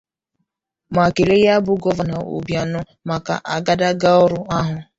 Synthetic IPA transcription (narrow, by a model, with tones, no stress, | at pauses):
ma˨ke˨le˦ja˦bʊ˦ɡɔ˦va˨na˨o̰˨bja˨nʊ˦ | ma˨ka̰˨ʔa˨ɡa˦da˦ɡa˦ɔ˦ɾʊ˦a˦ɦʊ˨